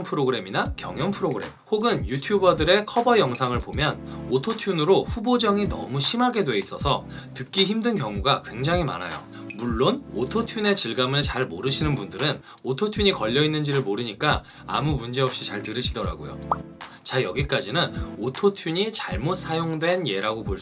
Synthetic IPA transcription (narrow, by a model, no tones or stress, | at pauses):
pʰɯɾoɡɯɾe̞minakjʌ̰ŋjʌnpʰɯɾoɡɯɾe̞̰mhoɡɯnjutʰjubʌdɯɾe̞kʰʌbʌjʌŋsʰaŋɯɭpomjʌnotʰotʰjunɯɾoɸubod͡ʑʌŋinʌ̰muɕʰimaɡe̞dwe̞is͈ʌsʰʌtɯk͈̚içimdɯnkjʌŋuɡakwe̞ŋd͡ʑaŋɦima̰na̰jo̰ | muɭːonotʰotʰjune̞t͡ɕiɭɡamɯɭt͡ɕaɭmoɾɯɕʰinɯnbundɯɾɯn | otʰotʰjuɲikʌʎːʌinːɯnd͡ʑiɾɯɭmoɾɯɲik͈a | a̰mumund͡ʑe̞ʌp̚ɕ͈it͡ɕaɭtɯɾɯɕʰidʌɾa̰ɡojo̰ | t͡ɕajʌɡik͈ad͡ʑinɯnotʰotʰjuɲit͡ɕaɭmot̚s͈ʰajoŋdwe̞nje̞ɾaɡopo